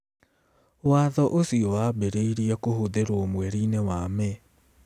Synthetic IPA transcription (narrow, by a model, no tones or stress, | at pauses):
waðɔʔosiɔwabeɾeiɾiɛkohoðeɾoɔomwɛɾiːnewaːmɛ